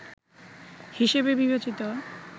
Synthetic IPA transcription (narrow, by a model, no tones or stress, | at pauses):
hiʃebebibet͡ɕit̪o